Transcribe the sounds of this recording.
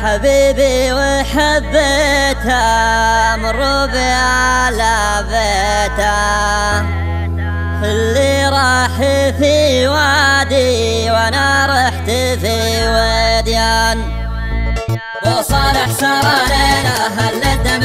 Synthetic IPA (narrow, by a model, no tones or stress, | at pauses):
ħabiːbiwɪħabːet̪a | mɾˤobala | be | t̪a | fɪlːiɾˤɑːħifiwad̪i | wanaɾˤɑħt̪ifiwed̪jan | wʊsˤɑːɾɪħsaɾˤɑlenaɦalːad̪a